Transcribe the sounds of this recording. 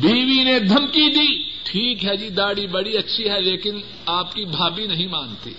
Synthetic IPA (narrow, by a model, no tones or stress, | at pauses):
biːʋined̪ʱɐmkid̪iːʈʰiːkɦɛd͡ʒiːd̪aːɽibɐɽiɐtːʃʰiɦɛleːkɪn | aːp̚kibʱaːbinɐɦĩmãːnt̪ḭː